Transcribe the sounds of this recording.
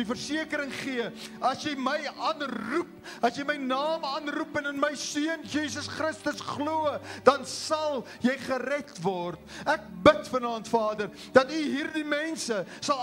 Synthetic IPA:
ifərsiəkəɾəŋχiəɐsjɛjməjɑːnrup̚ɐsjɛjməjnɑːmɑːnrupɛnənməjsiənjiːs̬əsχrəstəsχluəd̥ɐnsɐlˠ | jɛjχərɛtvɔrt̚æk̚bətfənɑːntfɑːdər | dɐtyɦiːrdimɛnsəsɐl

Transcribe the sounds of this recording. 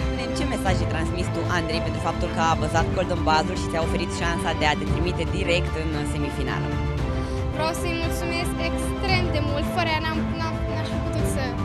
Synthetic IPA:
d̪ent͡ʃe̞me̞saʒejt̪ɾansmist̪uʔand̪ɾe̞jpent̪ɾufap̚t̪ulkəavəzat̪̚ko̞ld̪ɨmbazurʃi̥seaofe̞ɾit̪ʃansad̪e̞at̪et̪ɾimit̪e̞d̪iɾe̞kt̪ɨnɨse̞mifina̰l̰ | vɾeawsəjmult̪sume̞skekst̪ɾe̞md̪e̞mult̪fəɾəjanamna | naʃiput̪ut̪sə

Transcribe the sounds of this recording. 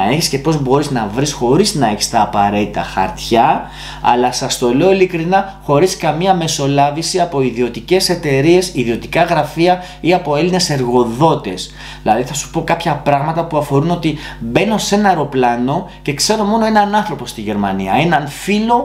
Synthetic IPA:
ɐeçisce̞po̞zbo̞ɾiznɐvɾisxo̞ɾiznɐe̞çi̥st̪ɐːpɐɾe̞t̪it̪ɐxɐ̰ɾt̪çɐ | ɐ̰lɐsɐst̪o̞le̞oilikɾinɐxo̞ɾiskɐmiɐme̞so̞lɐvisiɐpo̞iðio̞t̪ice̞se̞t̪e̞ɾie̞siðio̞t̪i̥kɐɣɾɐfiɐ | iɐpo̞e̞line̞se̞ɾɣo̞ðo̞t̪e̞s | ðilɐðiθɐsu̥po̞kɐpçɐpɾɐɣmɐt̪ɐpuɐfo̞ɾuno̞t̪ibe̞nose̞nɐɾo̞plɐno̞ce̞kse̞ɾo̞mo̞no̞e̞nɐnɐnθɾo̞po̞st̪iʝe̞ɾmɐniɐ̰e̞nɐnfilo̞

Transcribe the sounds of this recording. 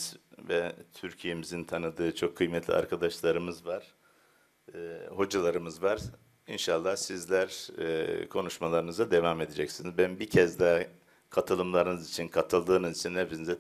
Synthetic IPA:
zvɛt̪ʰyɾcʰije̞mizint̪ʰanɯd̪ɯːt͡ʃʰo̞kʰːɯjmɛt̪lʲḭa̰ɾkʰad̪aʃlˠaɾɯmɯzvaɾ̥ | ho̞d͡ʒalˠaɾɯmɯzvaɾ | inʃalˠːahsizlʲæɾ | kʰo̞nuʃmalˠaɾɯnɯzad̪e̞vame̞d̪ed͡ʒɛcsinizbænbicʰɛzd̪a | kʰat̪ʰɯlˠɯmlˠaɾɯnɯzit͡ʃʰinkʰat̪ʰɯlˠd̪ɯːnɯzit͡ʃʰinhepisinizɛ

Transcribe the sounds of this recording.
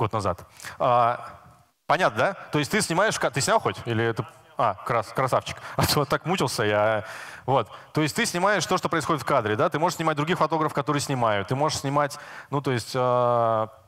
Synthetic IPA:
ɡo̞t̪nɐza̰t̪a | pɐnʲat̪nəd̪at̪oɪsʲtʲt̪ɨsʲnʲɪmajɪʂkat̪ɨsʲnʲalˠxo̞tʲilʲɪt̪ɨ | akɾaskɾɐsaft͡ɕɪ̥kat̪ot̪ːakmut͡ɕɪlˠsʲəjaavo̞t̪ːo̞ɪstʲt̪ɨsʲnʲɪmajɪʂt̪o̞ʂt̪o̞pɾəɪsxo̞dʲɪt̪fkad̪ɾʲɪd̪at̪ɨmo̞ʐəʂsʲnʲɪmat̚ʲd̪ɾʊɡʲixfɐt̪o̞ɡɾəfə̥kɐt̪oɾɨjəsʲnʲɪmajʊtt̪ːɨmo̞ʐɨʂsʲnʲɪmatʲnut̪o̞ɪsʲtʲa

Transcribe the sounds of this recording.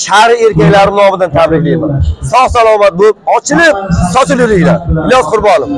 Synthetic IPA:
ʃaɾɪeɾkʲakʲlaɾɪnɒmɪd̪ant̪ʰabɾɪkʲlemansɒχsalˠɒːmat̪̚boɪp̚ɒt͡ʃʰɪlɪp̚sɒt͡ʃɪlʊlɪkʲlanblʲɒzqʊɾbɒlˠɪm

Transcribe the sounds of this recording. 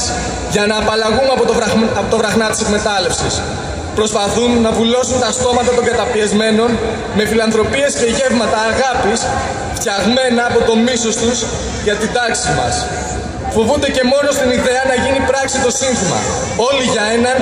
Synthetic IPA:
s | ʝɐnɐːpɐlɐɣumɐpot̪oɐpot̪ovɾɐxnɐt̪i̥se̞kme̞t̪ɐle̞fsis | pɾo̞spɐθunːɐvulo̞sunt̪ɐst̪o̞mɐt̪ɐt̪o̞ŋɡɐt̪ɐpiɐzme̞no̞n | me̞filɐnθɾo̞pie̞sce̞ʝe̞vmɐt̪ɐːɣɐpis | ft̪çɐɣme̞nɐːpo̞t̪o̞miso̞st̪us | ʝɐt̪id̪ɐksimɐ̰s | fo̞vund̪e̞ce̞mo̞no̞st̪iniðe̞ɐnɐʝinipɾɐksit̪o̞sinθimɐ̰ | o̞liʝɐe̞nɐn

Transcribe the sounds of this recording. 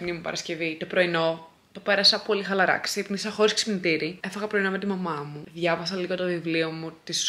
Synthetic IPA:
mnimupɐ̰ɾɐsce̞vit̪o̞pɾo̞ino̞ | t̪o̞pe̞ɾɐsɐpo̞lixɐlɐɾɐ̰ksiipnisɐxo̞ɾisksi̥pnit̪iɾiefɐɣɐpɾo̞ino̞me̞t̪imɐmɐmuðʝɐvɐs̬ɐliɣo̞t̪o̞vivlio̞mut̪is

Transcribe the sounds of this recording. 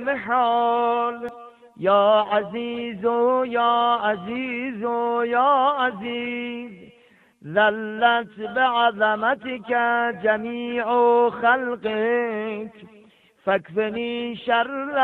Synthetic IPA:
meħɔːl | jɑːʔaziːzojɑːʔaziːzojɑːaziːz | zalːæt̪beʕazæmat̪ʰekæd͡ʒæmiːʕoxalqekʰ | fakfeniːʃaɾl

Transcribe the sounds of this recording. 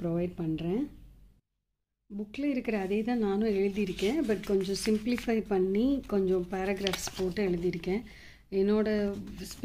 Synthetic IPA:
pɾɔʋɐɪɖ̚pɐɳːɾẽː | bʊkːlɐɪɾɯkːɪɾɐːðeːt̪ãːnãːnʊ̃ɛɻɯðijɪɾɯkːẽːbɐʈkɔɲd͡ʒɔ̃sɪmplɪfɐɪpɐɳːikɔɲd͡ʒɔ̃paːɾɐɡɾaːfspoːʈːɯɛɻɯðɪjɪɾɯkːẽː | ɛnːoːɽɐsp

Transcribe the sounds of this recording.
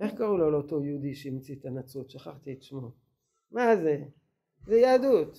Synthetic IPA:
eχkaʁuloleot̪o̞jeud̪iʃeimt͡sit̪anat͡sot̪ʃaχaχt̪ietʃmo | maze | zejaːd̪ut̪

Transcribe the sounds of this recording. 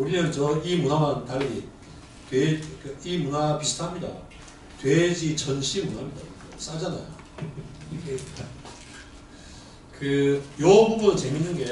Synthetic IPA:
uɾiɲʌnt͡ɕʌimunamantaʎːi | twekɯimunapisʰtʰɦamɲida̰ | twed͡ʑit͡ɕʰʌnɕʰimunamɲida̰ʌs͈ad͡ʑana̰jo̰ | iɡe | kɯjʌbuɡɯt͡ɕe̞minːɯnɡe̞

